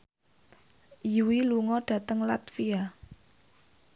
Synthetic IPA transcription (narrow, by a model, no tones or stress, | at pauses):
juwiluŋɔɖ̥ä̤t̪əŋlat̪fia